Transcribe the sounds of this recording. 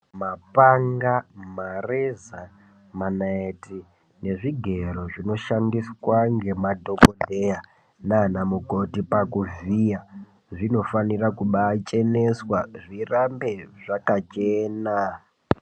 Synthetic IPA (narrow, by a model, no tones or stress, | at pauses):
mapaŋɡamareza | manaeti | ne̞ʐiɡʱe̞ro̞ʐino̞ʃandiswaŋɡe̞madʱo̞kodʱeja | nanamuko̞tipakuvija | ʐino̞fanirakuɓat͡ʃe̞ne̞swaʐirambe̞ʐakat͡ʃeːna